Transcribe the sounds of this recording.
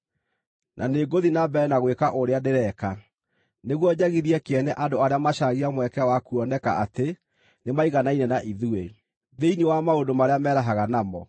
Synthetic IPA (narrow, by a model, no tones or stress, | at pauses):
nʔaneɡoðinabɛɛnaɣwekaʔoɾeaneɾɛka | neɣwɔɲaɣiðiɛkeɛnɛʔadoaɾeamaʃaɣiamwɛkɛwakuɔnɛka̰ate | nemaiɣanainɛnaʔiðue | ðeinewamaodomaɾeamɛːɾaɦaɣanamɔ̰